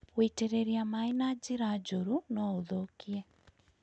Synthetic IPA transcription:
weteɾeɾiamainad͡ʒiɾad͡ʒoɾunɔoðokiɛ

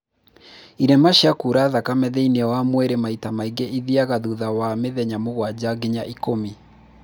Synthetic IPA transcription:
iɾɛmaɕiakuɾaðakamɛðɛiniɛwamwɛɾemaitamaiɡeʔiðiaɣaðuðawameðɛɲamoɣwad͡ʑaɡeɲaʔikomi

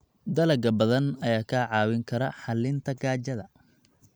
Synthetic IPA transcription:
d̪ɐlɐɡɐbɐðɐnɐjaːkʰaːʕɑːwɪŋkʰɐɾɐħɑlːɪnt̪ʰɐɡaːt͡ʃɐðɐ

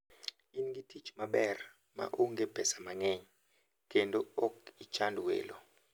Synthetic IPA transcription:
iniŋɡitʰit͡ʃʼmaɓɛra | ma̰ʔuŋɡɛb̥ʱɛsamaŋɛɲɛ | kʼɛntʼɔɔkit͡ʃʼandʱuwɛ̰ːlɔ

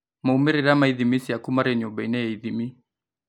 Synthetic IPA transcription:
maumɛɾiɾamaiðimisiakumaɾɛɲɔɓainɛjaiðimi

